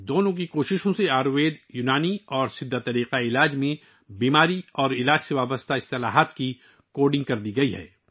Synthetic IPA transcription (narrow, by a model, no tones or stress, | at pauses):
d̪oːnõk̬ikoːʃɪʃõseaːɾʋeːd̪juːnaːniɔːɾsɪd̪ʱːat̪ɐɾiːqaɪlaːd͡ʒmẽ | biːmaːɾiɔːɾɪlaːd͡ʒseʋaːbəst̪ʰaɪst̪ɪlaːɦat̪ki | koːɖɪ̃ŋɡ̚kɐɾd̪iɡɐiɦɛ̰ː